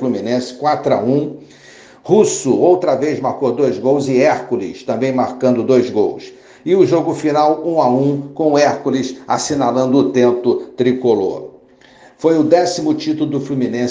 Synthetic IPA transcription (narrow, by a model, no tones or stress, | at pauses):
lumĩnẽsɪ̥kwat̪ɾʊa̰ũ | husʊowt̪ɾɐvezmaɾkod̪ojzɡowzɪɛɾkulḭst̪ɐ̃mbẽj̃maɾkɐ̃nd̪ʊd̪ojzɡo̰ws | ɪʊʒoɡʊfinawũaũkõɛɾkulisa̰sinalɐ̃nd̪ʊːt̪ẽnt̪ʊt̪ɾikolo̰ | fojʊd̪ɛsimʊt͡ʃit̪ulʊd̪ʊflumĩnẽ